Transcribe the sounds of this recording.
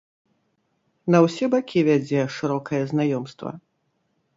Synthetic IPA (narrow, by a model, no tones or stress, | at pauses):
nɐwsʲɛbakʲʰivʲad͡zʲɛʂɨɾɔkʰɐjɐznajɔmst̪vɐ̰